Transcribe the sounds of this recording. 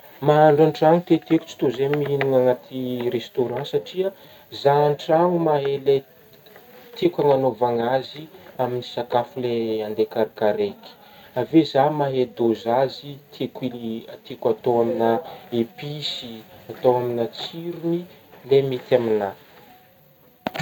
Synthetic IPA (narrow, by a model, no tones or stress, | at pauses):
maaɳɖ͡ʐaɳʈ͡ʂaŋut̪et̪eku̥t͡si̥t̪ozemiinuŋaŋat̪ʰirest̪oɾɑ̃saʈ͡ʂia | zaaɳʈ͡ʂaŋumaɦele | t̪ʰekʲaŋanovaŋaziaminisakafuleand̪ekaɾikaɾeki̥ | avezamaɦed̪ozazit̪ʰekiat̪ekat̪oaminaepisiat̪owaminat͡siɾunilemit̪amina